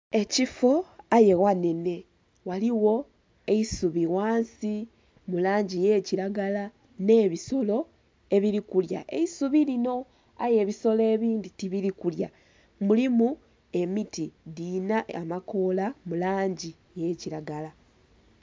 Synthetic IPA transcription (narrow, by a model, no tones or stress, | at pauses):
e̞cifo̞aje̞ɣwane̞ne̞ | waliwo̞ | eisuβiwaːnsi | mulaːɲɟije̞ciɾaɡala | ne̞ːβiso̞lo̞ | e̞βiɾikulja̰ʔe̞̰isuβilino̞ | a̰je̞ːβiso̞le̞ːβiːnditiβiɾikulja | mulimu | e̞mitidinaːmako̞lamulaːɲɟi | je̞ciɾaɡala